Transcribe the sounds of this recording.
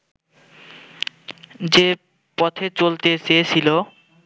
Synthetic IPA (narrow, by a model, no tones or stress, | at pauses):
d͡ʑe | pɔt̪ʰet͡ɕolt̪et͡ɕeet͡ɕʰilo